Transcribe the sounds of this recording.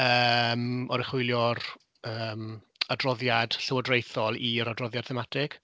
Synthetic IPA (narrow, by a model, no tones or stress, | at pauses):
əmɔɾɪχwʊjlˠjɔr | əːm | adrɔðjad̥ɬəwɔdrejθɔlˠiɾadrɔðjad̥̚θɛmatʰɪkʰ